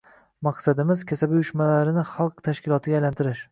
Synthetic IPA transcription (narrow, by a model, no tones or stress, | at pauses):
mɑqsad̪ɪmɪzkʲʰasabjʊʃmalaɾɪnɪχɑlˠqt̪ʰaʃkʲɪlˠɒt̪ʰɪɡʲajlant̪ʰɪɾɪʃ